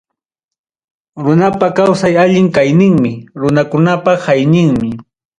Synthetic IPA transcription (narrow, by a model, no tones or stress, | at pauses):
ɾʊnapakawsajaʎɪŋkajnɪŋmɪɾʊnakʊnapahajnɪŋmɪ